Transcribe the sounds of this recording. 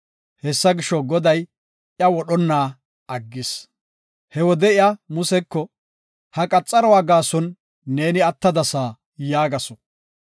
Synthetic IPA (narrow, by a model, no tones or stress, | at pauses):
hɛsːɐɡɪʃːɔɡɔd̪ɐj | ʔɪɐwɔɗɔnːaː | ɐɡːɪs | hɛwɔd̪ɛɪɐmʊsɛkːɔ | hɐkʼɐt͡sʼːɐɾɔwaːɡaːsɔnː | eːnɪɐt̪ːɐd̪ɐsaː | jaːɡɐsɔ̥